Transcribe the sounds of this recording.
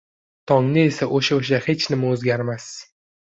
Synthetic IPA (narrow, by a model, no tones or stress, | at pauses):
t̪ʰɒŋnɪe̞saʔoʃaoʃ̬ahe̞t͡ʃnɪmaozɡʲaɾmas